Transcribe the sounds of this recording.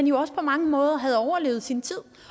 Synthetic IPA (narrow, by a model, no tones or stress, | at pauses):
ænjo̝ɒ̽səpʰɒ̽mɑ̈ŋəmɔ̽ːð̞ˠɐɦæð̞ˠɒʊɐle̝ːʊð̞̩ˠsint͡sʰið̰ˠ